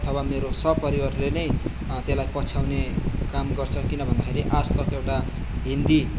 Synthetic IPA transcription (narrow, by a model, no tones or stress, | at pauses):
ʌt̪ʰʌwameɾosʌpʌɾiwarlenʌj | t̪elajpʌt͡sʰawnekamɡʌrt͡sʰʌkinʌbʱʌnd̪akʰeɾiʔastʌkewʈa | ɦind̪i